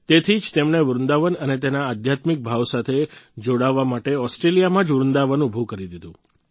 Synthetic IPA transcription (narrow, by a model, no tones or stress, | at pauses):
t̪et̪ʰid͡ʒt̪emɳ̃eʋɾʊnd̪aʋənənet̪enaːd̪ʱjat̪mik̚bʱaʋsat̪ʰed͡ʒoɽaʋːamaʈeɔsʈɾelijamãd͡ʒʋɾʊnd̪aʋənubʱukəɾid̪id̪ũ